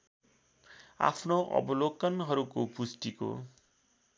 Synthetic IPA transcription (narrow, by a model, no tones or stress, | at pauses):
a̰pʰnoʔʌ̰bʌlokʌnɦʌɾukopusʈiko̰